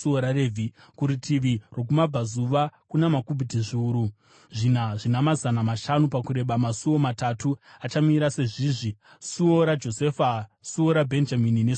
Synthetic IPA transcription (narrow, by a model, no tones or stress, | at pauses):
uoɾarevʱi | kuɾitʰiʋiro̞k̬umab͡vazuʋakunamakubʱitiʐiuːɾu | ʐin̤aʐinamazanamaʃanupakuɾe̞ɓamasuo̞matatuat͡ʃamiɾase̞ʐiːʐi | suoɾad͡ʒo̞se̞fasuoɾabʱe̞nd͡ʒaminine